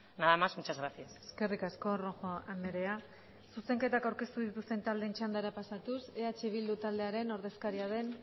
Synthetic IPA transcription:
naðamazmut͡ʃazɣɾasiaseske̞rikasko̞roxoʔameɾe̞a | suse̞ŋke̞t̪akawɾke̞st̪uðit̪ust̪e̞nt̪ald̪ent͡ʃand̪aɾapasat̪use̞at͡ʃe̞βild̪ut̪ald̪e̞aɾe̞no̞ɾðe̞skaɾiaðe̞n

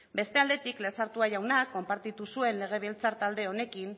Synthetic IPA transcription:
be̞st̪e̞ald̪e̞t̪iklesaɾt̪uaʝawnakːo̞mpaɾt̪it̪usue̞nle̞ɣ̞e̞βelt͡saɾt̪ald̪e̞o̞ne̞kim

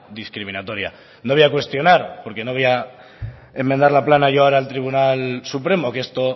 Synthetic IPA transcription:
d̪iskɾimĩnat̪o̞ɾja̰ | noβejakwe̞st̪jo̞naɾpo̞ɾke̞no̞βea | e̞mːend̪aɾlaplanaʝoaoɾalt̪ɾiβ̞unalsupɾe̞mo̞keest̪o̞

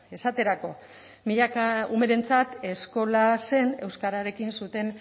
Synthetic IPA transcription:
e̞sat̪e̞ɾako̞ | miʎakaume̞ɾe̞nt͡sat̪e̞sko̞lase̞ne̞wskaɾaɾe̞kinsut̪e̞n

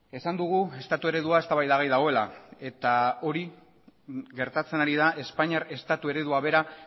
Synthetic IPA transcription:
e̞sand̪uɣ̞ue̞st̪at̪ue̞ɾe̞ðuae̞st̪aβajðaɣejðaɣ̞o̞e̞la̰e̞t̪ao̞ɾi | ɣe̞ɾt̪at͡se̞naɾið̞aʔe̞spaɲaɾe̞st̪at̪ue̞ɾe̞ðuaβe̞ɾa

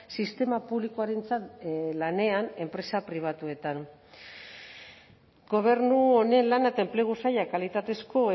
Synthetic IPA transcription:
sist̪e̞mapuβlikoaɾe̞nt͡sat̪lane̞ane̞mpɾe̞sapɾiβ̞at̪ue̞t̪an | ɡo̞β̞e̞ɾnuone̞nlanat̪aemple̞ɣ̞usajakalit̪at̪e̞sko̞e

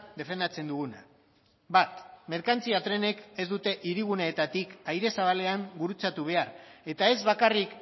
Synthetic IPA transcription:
d̪e̞fe̞nd̪at͡se̞nd̪uɣuna̰ | bat̪me̞ɾkant͡siat̪ɾe̞ne̞ke̞zd̪ut̪e̞ʔiɾiɣ̞uneːt̪at̪ikajɾe̞saβale̞aŋɡuɾut͡sat̪uβ̞e̞are̞t̪ae̞zβakarik

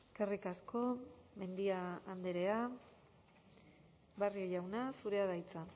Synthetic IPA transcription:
kerikasko̞me̞nd̪iaand̪eɾe̞a | barioʎawnasuɾe̞að̞ajt͡sa

